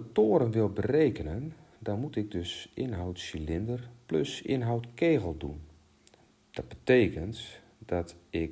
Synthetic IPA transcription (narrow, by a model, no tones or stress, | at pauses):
toːəɾənʋɪlˠbəreːkənən | dɔnmutɪɡ̚døsʔɪnɦawtsilɪndərpløsɪ̰nɦawtkeːɣəlˠdṵn | d̥ɔt̚bəteːkənt | dɔtɪk